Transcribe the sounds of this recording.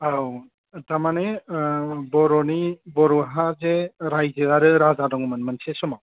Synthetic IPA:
aw | tamane | bɔɾɔnibɔɾɔɦazeɾajzɯaɾɯɾazadɔŋumɯnmɯnsesɔmaw

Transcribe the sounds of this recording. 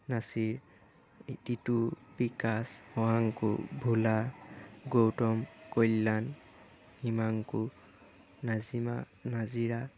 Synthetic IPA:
nasiɹ | ititupikashɔaŋkṵbʱulaɡowtɔmkojlːan | himaŋku | nazima̰ | naziɹa

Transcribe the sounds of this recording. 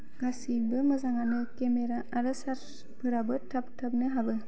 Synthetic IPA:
ɡ̥asibɯmɯzaŋanɯkemeɾaʔaɾɯsaɾ | pʰɯɾabɯtʰap̚tʰap̚nɯɦabɯ

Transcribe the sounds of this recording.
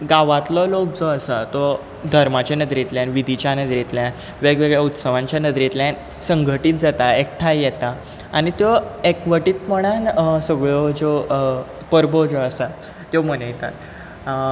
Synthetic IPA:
ɡaʋat̪lɔlok̚d͡zɔəsət̪ɔ | d̪ʱəɾmat͡ɕanəd̪ɾit̪ljãnʋid̪ʱit͡ɕjanəd̪ɾit̪ljãn | ʋeɡʋeɡɭjaut̪səʋãɲt͡ɕjanəd̪ɾit̪ljan | səŋɡʱəʈiːt̪̚d͡zat̪aek̚ʈʰajjɛt̪a | aɽ̃it̪jɔekʋəʈiːt̪məɽ̃ansəɡɭɔd͡zɔ | pəɾbɔd͡zɔəsa | t̪jɔmənəjt̪a̰t̪

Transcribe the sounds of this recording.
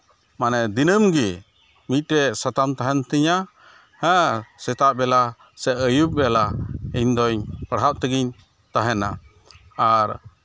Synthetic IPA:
manɛd̪inəmɡi | mit̪̚ˀɾɛsat̪amt̪aɦɛnt̪iɲa | hə̃sɛt̪aʔ̚bɛla | sɛʔəjup̚bɛalaiɲd̪ɔɲpəɽɦap̚t̪əɡiɲ | t̪aɦɛnaː | ɾ

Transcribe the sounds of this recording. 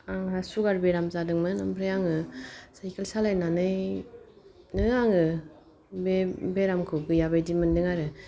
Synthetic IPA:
aŋasuɡaɾbeɾamzadɯŋmɯnampʰɾɯjaŋɯsajkʰelsalajnanɯj | nɯaŋɯ | bebeɾamkʰɯɡɯjabajdimɯndɯŋaɾɯ

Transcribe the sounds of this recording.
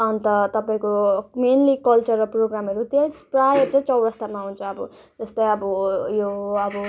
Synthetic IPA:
ʌnt̪ʌt̪ʌpaĩkomenlikʌlt͡sʌɾproɡɾamʌɾut̪esprajʌt͡saĩt͡sʌwɽʌst̪amaɦunt͡sʰʌːbʌ | d͡zʌst̪ʌj̃ʌbʌjoʌbʌ

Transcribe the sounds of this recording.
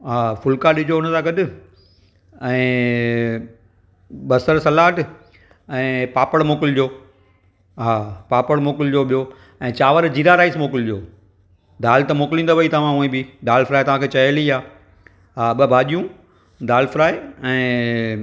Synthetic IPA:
ɦaːfʊlkaɗɪd͡ʑʱoʊnəsãːɡɐɗʊ̆ | ɛ̃ː | ɓɐsəɾsɐlaːʈ | ɛ̃ːpaːpəɽmoːkɪld͡ʑoː | ɦaːpaːpəɽmoːkɪld͡ʑoːɓijoː | ɛ̃ːt͡ɕaːʋəɾd͡ʑiːɾaɾaːismoːkɪld͡ʑoː | d̪aːlt̪ɐmoːkɪlĩːnd̪oʋɐit̪ɐʋ̤ãũːĩbɪd̪aːlfɾaːet̪ɐʋ̤ãːkʰeːt͡ɕɐjəliaː | ɦaːɓɐbʱaːʄijũ | d̪aːlfɪɾaːeɛ̃ː

